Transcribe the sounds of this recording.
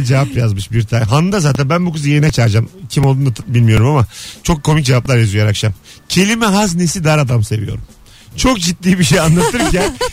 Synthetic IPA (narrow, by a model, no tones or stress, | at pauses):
d͡ʒevapjazmɯʃbiɾt̪ʰanɦanːd̪azaːt̪ʰænbænbukɯzɯjeɾinɛt͡ʃʰaɾd͡ʒamcʰimo̞lˠd̪und̪abilʲmijo̞ɾumamat͡ʃʰo̞kʰːo̞mic̚d͡ʒevaplˠaɾjazujaɾakʃam | cʰe̞lʲimɛɦaznesid̪aɾad̪amse̞vijo̞̰ɾum | t͡ʃʰo̞k̚d͡ʒit̪̚ːiːbiʃ̬ejanlˠat̪ʰɯɾcæn